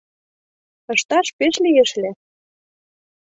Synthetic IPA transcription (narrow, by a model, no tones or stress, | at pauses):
ɤ̆ʃt̪ɑʃpeʃlijeʃle